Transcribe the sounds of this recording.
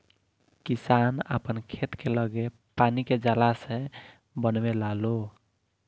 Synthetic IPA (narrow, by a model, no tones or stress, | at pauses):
kisanə̰pənkʰet̪keləɡe | paniked͡ʒalasẽ | bənmelalo